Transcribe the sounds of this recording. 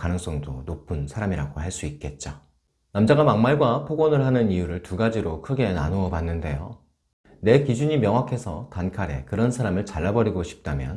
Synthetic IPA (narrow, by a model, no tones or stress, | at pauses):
kanɯŋs͈ʌŋdonopʰɯnsʰaɾamiɾaɡohaɭs͈uit̚k͈e̞t̚t͡ɕ͈a | namd͡ʑaɡamaŋmaɭɡwapʰoɡʌnɯɭhanɯnijuɾɯɭtuɡad͡ʑiɾokʰɯɡe̞na̰noʌbanːɯnde̞jo̰ | ne̞kid͡ʑuɲimjʌŋwakʰe̞sʰʌtankʰaɾe̞̰kɯɾʌnsʰaɾamɯɭt͡ɕaɭːabʌɾiɡoɕʰi̥p̚t͈amjʌ̰n